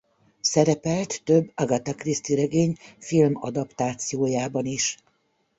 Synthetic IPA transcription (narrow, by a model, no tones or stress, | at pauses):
sɛɾɛpɛlt̪ːøbːɒɡɒt̪ɒkrist̪iɾɛɡeːɲfilmɒd̪ɒpt̪aːt̪sijoːjaːbɒniʃ